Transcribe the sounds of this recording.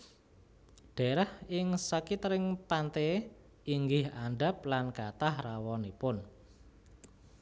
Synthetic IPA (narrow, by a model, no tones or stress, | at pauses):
ɖ̥ɛ̤ɾahɪŋsəkit̪əɾɪŋpant̪e | iŋɡɪhanɖaplankat̪ahrawɔnipʊn